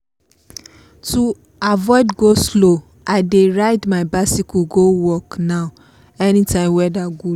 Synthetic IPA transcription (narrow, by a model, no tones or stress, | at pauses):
tu | avɔɪdɡoslo | aɪdeɹaɪdmaɪbasikuɡowɔkna | ɛnĩtãɪ̃mwɛdaɡu